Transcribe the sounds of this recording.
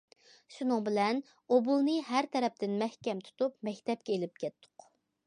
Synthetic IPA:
ʃunɨŋbɪlɛn | obulˠnɨɦæɾt̪ʰɛɾɛp̚t̪ɪnmɛhkʲɛmt̪ʰu̥t̪upmɛkʲt̪ɛp̚kʲɛelɪp̚kʲʰɛt̪ʰːʊ̥q

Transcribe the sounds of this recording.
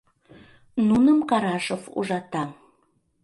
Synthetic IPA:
nunəmkɑɾɑʃofṵʒɑt̪ɑm

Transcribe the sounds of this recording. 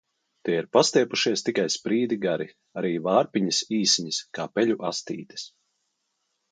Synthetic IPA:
t̪iɛiɾpast̪iɛpuʃiɛst̪ikajspɾiːd̪iɡaɾi | aɾiːvaːɾpiɲisiːsiɲiskaːpɛʎuʔast̪ḭːt̪i̥s

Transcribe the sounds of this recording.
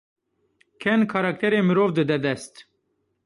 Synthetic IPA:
kʰɛnkʰɑɾɑk̚t̪ʰɛɾeːmɨɾoːvd̪ɨd̪ɛd̪ɛst̪

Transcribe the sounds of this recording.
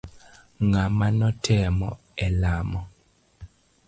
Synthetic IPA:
ŋamanɔtʰɛmɔ | ɛlamɔ

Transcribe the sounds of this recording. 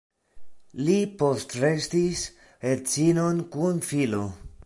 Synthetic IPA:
lipostɾestis | et͡sino̞nkunfilo̞

